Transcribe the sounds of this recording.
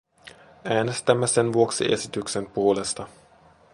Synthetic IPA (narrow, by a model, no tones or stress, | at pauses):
ʔæːne̞st̪æmːæse̞nʋuo̞ksḭʔe̞̰sit̪ykse̞mpuole̞st̪ɑ